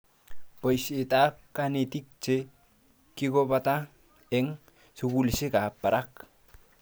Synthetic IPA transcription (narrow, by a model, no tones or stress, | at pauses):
pojset̪akːanet̪ik̚t͡ʃe | kiɡopat̪a | eŋ | suɡulisekapːaɾʔak